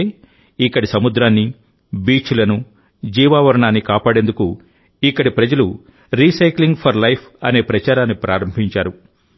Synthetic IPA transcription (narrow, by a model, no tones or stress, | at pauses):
ikːɐɽisɐmud̪ɾaːnːi | biːt͡ʃulɐnu | d͡ʒiːʋaːʋɐɾɐɳaːnːikaːpaːɽe̞nd̪uku | ikːɐɽipɾɐd͡ʒɐlu | ɾiːsɐjkliŋɡpʰɐɾlɐjpʰɐ̰ne̞ːpɾɐt͡ʃaːɾaːnːipɾʔaːɾɐmbʱiɲt͡ʃaːɾu